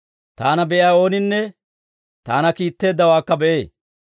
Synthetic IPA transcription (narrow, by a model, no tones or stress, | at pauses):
t̪aːnɐbɛʔɪaːo̞ːnɪnːɛ | t̪aːnɐkiːt̪ːe̞ːd̪ːɐwaːkːɐbɛʔeː